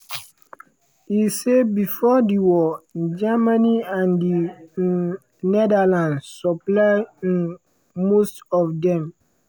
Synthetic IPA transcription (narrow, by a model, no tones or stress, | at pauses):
isebifɔdiwɔd͡ʒamaniãndi | nɛdalãnsɔplaɪĩn | mostɔfdɛ̃m